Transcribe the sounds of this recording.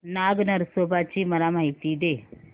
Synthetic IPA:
naɡnəɾsobat͡ɕiːməlamaɦit̪iːd̪e

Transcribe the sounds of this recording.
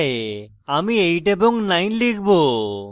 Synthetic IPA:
e | ɐmiejʈeboŋɡnɐjnliːɡbo

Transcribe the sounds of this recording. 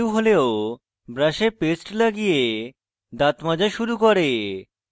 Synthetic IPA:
wɦoleo | bɾaʃepesʈlaɡije | d̪at̪mad͡ʑaʃuɾukɔɾe

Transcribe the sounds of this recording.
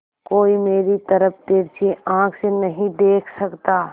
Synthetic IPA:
koːimeːɾit̪ɐɾəp̚ʰt̪eːɾt͡ʃiʔãːkʰsenɐɦĩd̪eːkʰsɐkt̪aː

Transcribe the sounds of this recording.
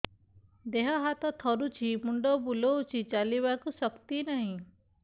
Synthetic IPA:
d̪eɦɔɦat̪ɔt̪ʰɔɾut͡ʃʰimuɳɖɔbulɔwt͡ʃʰit͡ʃaliβakusɔkt̪inaɦĩ

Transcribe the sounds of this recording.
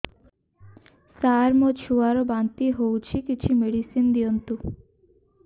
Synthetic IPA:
saɾmot͡ɕʰuaɾobant̪iɦowt͡ɕʰikit͡ɕʰimeɽisind̪iont̪u

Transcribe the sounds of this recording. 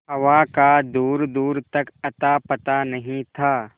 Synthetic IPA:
ɦɐʋakad̪uːɾd̪uːɾt̪ɐkɐt̪apɐt̪anɐɦĩt̪ʰaː

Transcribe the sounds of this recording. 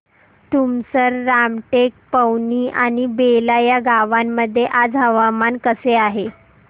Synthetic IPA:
t̪umsəɾːamʈek̚pəwniːʔaɽ̃ibelajaɡaʋamːəd̪ʱːjeʔad͡zɦəʋamankəseaɦe

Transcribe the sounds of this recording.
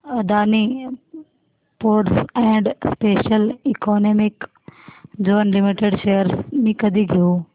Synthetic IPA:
ɐd̪aːni | poːʈsɛ̃ːɳɖspeːʃəlikoːneːmɪk | d͡ʒoʋnlɪmiʈeɖʃeːjəɾsmĩːkɐd̪ʱiɡʱiuː

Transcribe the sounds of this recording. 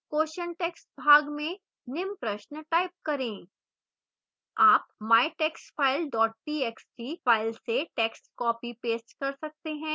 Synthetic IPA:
koːʃənʈeːksʈ̚bʱaːɡmẽ | nɪmpɾəʃnʈaːɪp̚kɐɾẽː | aːpmaːɪʈeːksʈfʰaːɪlɖɔːʈ̚piːɛksʈiːfaːɪlseʈeːksʈkɔːpipeːsʈkɐɾsɐk̚t̪eɦɛ̃ː

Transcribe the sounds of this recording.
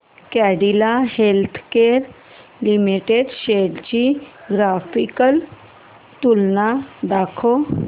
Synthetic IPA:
kɛɖilahelt̪ʰkeɾ | limiʈeɖɕeɽt͡ɕiɡɾafikəl | t̪ulnad̪akʰo

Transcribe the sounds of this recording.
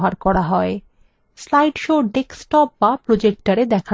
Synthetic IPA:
ɦaɾkɔɾaɦɔe | slajɖʃoɖeksʈɔp̚bapɾod͡ʑek̚ʈaɾed̪ɛkʰa

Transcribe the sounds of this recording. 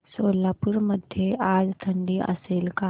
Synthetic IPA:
soːlaːpʊɾməd̪ʱjeaːd͡ʒt̪ʰɐɳɖiʔɐ̰selka

